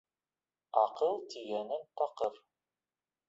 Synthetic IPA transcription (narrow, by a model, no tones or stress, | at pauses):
ɑqɤlˠt̪ʰiɣænɘnt̪ɑqər